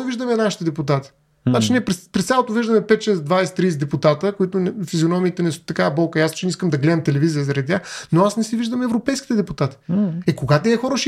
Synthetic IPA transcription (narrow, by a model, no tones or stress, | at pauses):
ɛviʒd̪əmɛnaʃi̥t̪ɛd̪ɛput̪at̪i̥ | at͡ʃiniɛpɾɛpɾɛst̪sʲjalˠot̪ʊviʒd̪əmɛpɛt̪ʃɛsd̪vajsɛ̥t̪ɾiːsd̪ɛput̪at̪əkoit̪ʊnfizʲionɔmiːt̪ɛnɛst̪ɐkabɔlˠkəjast͡ʃɛniskəmd̪ɐɡlɛd̪ɐmt̪ɛlɛvizijəzɐɾɐd̪it̪ʲaxnoasnɛsiviʒd̪əmɛvɾopɛjskʲi̥t̪ɛd̪ɛput̪at̪i̥ɛkoɡat̪ɛɛxɔɾəʃ